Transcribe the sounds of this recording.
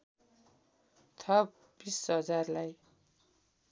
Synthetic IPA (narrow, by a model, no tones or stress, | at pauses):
t̪ʰʌ | b̥isɦʌd͡zarlaj